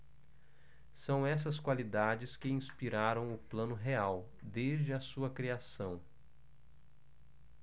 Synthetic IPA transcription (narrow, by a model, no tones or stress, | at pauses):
sɐ̃w̃ɛs̬ɐskwalid̪ad͡ʒɪskɪĩspiɾaɾɐ̃w̃ʊplɐ̃nʊɦeaw | d̪ezd͡ʒɪɐsuɐkɾiasɐ̃w̃